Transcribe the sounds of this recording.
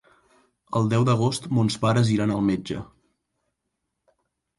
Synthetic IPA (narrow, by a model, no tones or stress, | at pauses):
əlˠd̪ɛwd̪əɣ̞ost̪monspaɾəziɾanəlˠmed͡ʒə̰